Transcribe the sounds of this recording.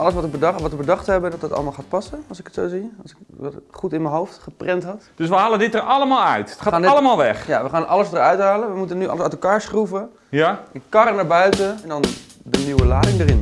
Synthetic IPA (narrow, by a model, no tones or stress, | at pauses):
ɑlˠəsʋɔtəbədʋɔtʋəbədɑχthɛbədɔtdɑtɑ̰ləmalˠχaːt̚pɑsəɑlˠsɪkətsowziɑsɪkʋɛχutɪnmənɦowftχəprɛntɦɑtd̥ɵs̬ʋəɦaːləndɪt̚dərɑlˠəmaːlˠœ̰ɥtaːtːləmaːlˠʋɛχjaʋəχaːnʔɑləsdəɹœɥtɦaːlənʋəmutənyɑ̰lˠəsœɥtəlˠkaːɹsχruvə | jaɛnkarənaɹbœɥtəɛndɔndənywəlaːdɪŋdərɪn